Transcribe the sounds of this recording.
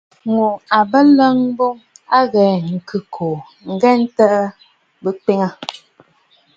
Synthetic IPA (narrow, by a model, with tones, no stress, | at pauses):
ŋo˨a˨bə˦lə˦ŋbo˦ŋa˦ɣɛ˨ŋ̩˨kɨ˨kʰo˨ | ŋ̩˨ɡɛ˦n̩˦tə˦ʔə˦ | bə˦k͡pe˦ŋə˦˨